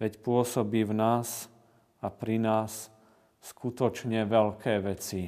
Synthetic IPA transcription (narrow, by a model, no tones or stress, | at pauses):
ʋɛcpʊɔsɔbiːvnaːs | apɾinaːsː | kut̪ɔt͡ʃɲɛʋɛlkʰɛːʋɛt͡si